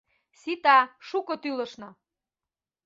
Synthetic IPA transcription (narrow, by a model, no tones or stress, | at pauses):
sit̪ɑʃukɤt̪ylə̆ʃnɤ̆